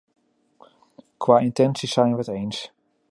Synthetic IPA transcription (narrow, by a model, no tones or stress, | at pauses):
kʰwaːɪntɛnsisɛjnʋəətejns